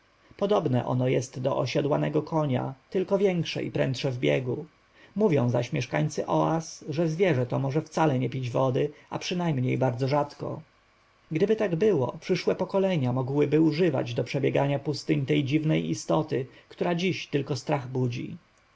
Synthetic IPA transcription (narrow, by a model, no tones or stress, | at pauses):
pɔd̪ɔbnɛ̰ʔɔ̰nɔjɛst̪d̪ɔʔɔɕad̪wanɛɡɔkʰɔɲa̰t̪ɘlkɔvʲjɛŋkʂɛ̰ʔḭpɾɛ̰nt̪ʂɛvbʲjɛ̰ɡu | muvʲjɔ̃w̃zaɕmʲjɛʂkaɲt̪sɘʔɔasʐɛzvʲjɛʐɛt̪ɔmɔʐɛft̪salɛɲɛpʲid͡ʑvɔd̪ɘa̰pʂɘnajmɲejbaɾd̪zɔʐat̪kɔ̰ | ɡd̪ɘbɘt̪aɡbɘwɔ̰pʂɘʂwɛpɔkɔlɛɲamɔɡwɘbɘuʐɘva̰d͡ʑd̪ɔpʂɛbʲjɛɡaɲapust̪ɘɲt̪ɛjd͡ʑivnɛjḭst̪ɔt̪ɘkt̪uɾad͡ʑiɕt̪ɘlkɔst̪ɾaɣbud͡ʑḭ